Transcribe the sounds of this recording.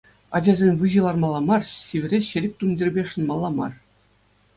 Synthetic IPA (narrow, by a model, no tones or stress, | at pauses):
ɑd͡ʑɑzʲenʲʋɯʑɯ̆lˠɑrmɑlˠːɑmɑrɕʲiʋʲɘ̆rʲeɕɘ̆lʲɘ̆k̚ʲt̪undʲirʲbʲeʂɤ̆nmɑlˠːɑmɑ̰r